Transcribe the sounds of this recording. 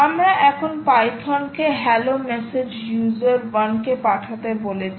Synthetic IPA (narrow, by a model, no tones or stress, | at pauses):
amɾaʔɛkʰonpajkʰɔnkeɦɛlomɛsed͡ʑjuzoɾwankepaʈʰat̪ebolet͡ɕʰ